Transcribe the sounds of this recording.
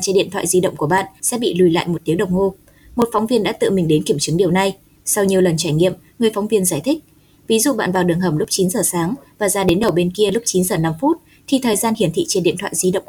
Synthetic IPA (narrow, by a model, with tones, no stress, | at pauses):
t͡ɕe˧nɗḭ˧˨t̪ʰwa̰ː˧˨jzi˧ɗə̰˧˨wŋ͡mku˧˩əɓa̰ː˧˨nsɛ̰˧˥ɓḭ˧˨lu˨˩jla̰ː˧˨jmo˨˩t̚t̪i˨˦wɗə˨˩wŋ͡mho˧ | mo˨˩t̚fɔ˨˦wŋ͡mvi˧ənɗa̰ː˧˥t̪ɨ̰˧˨mï˨˩ŋ̟ɗe˨˦nki˧˩əmt͡ɕɨ˨˦ŋɗi˨˩əwna˧j | sa˧wɲi˨˩əwlə˨˩nt͡ɕaː˧˩jŋḭ˧˨əmŋɨ˨˩əjfɔ˨˦wŋ͡mvi˧ənzaː˧˩jt̪ʰï˦˥k̚ | vi˨˦zṵ˧˨ɓa̰ː˧˨nvaː˨˩wɗɨ˨˩əŋɦə˧˩m̚lʊ˦˥k͡p̚t͡ɕi˨˦nzəː˨˩saː˨˦ŋvaː˨˩zaː˧ɗe˨˦nɗə˨˩wɓe˧nki˧əlʊ˦˥k͡p̚t͡ɕi˨˦nzəː˨˩na˧mfu˦˥t̚ | t̪ʰi˨˩t̪ʰəː˨˩jzaː˧nhi˧˩ənt̪ʰḭ˧˨t͡ɕe˧nɗḭ˧˨t̪ʰwa̰ː˧˨jzi˧ɗə̰˧˨w